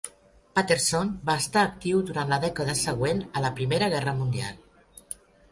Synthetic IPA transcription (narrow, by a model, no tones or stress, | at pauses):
pat̪eɾsonbaəst̪aːkt̪iwðuɾant̪ləðɛkəðəsəɣ̞wenələpɾimeɾəɣɛrəmund̪ia̰lˠ